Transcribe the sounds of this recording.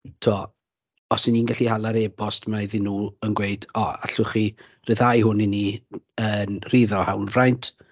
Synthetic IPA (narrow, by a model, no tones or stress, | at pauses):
tʰuɔ | ɔsɪniːnɡaɬihalˠaɾebɔstmaðɪnːuːlˠənɡweɨdɔa̰ɬʊχi | rɨðajhʊnɪni | ənr̥iðɔhawlvrajntʰ